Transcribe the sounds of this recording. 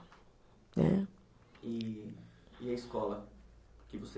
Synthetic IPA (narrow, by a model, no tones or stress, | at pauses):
ɛ̰ | ɪ | ɪɐiskɔlɐkɪvose